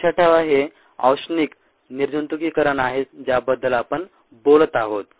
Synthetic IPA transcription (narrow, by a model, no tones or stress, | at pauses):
t͡ɕʰaʈʰeʋaɦe | a̰wsniːk | niɾd͡ʑunt̪ukiːkəɾanaɦet̪d͡ʑjabəd̪ːəlapəɳ | bolət̪aɦot̪̚